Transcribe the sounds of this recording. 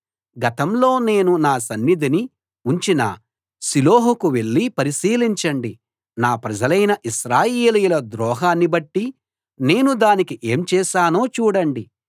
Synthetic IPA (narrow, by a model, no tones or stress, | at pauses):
ɡɐt̪ɐmlo̞ːne̞ːnunaːsɐnːid̪ini | uɲt͡ʃinɐ̰ | siloːɦukuʋe̞ɭːipɐɾisiːliɲt͡ʃɐɳɖi | naːpɾɐd͡ʒɐlɐjnɐʔiʃɾaːjeːlujulɐd̪ɾɔːɦaːnːibɐʈːi | ne̞ːnud̪aːnikiʔe̞ːmt͡ʃɛːʃaːno̞ːt͡ʃuːɽɐɳɖi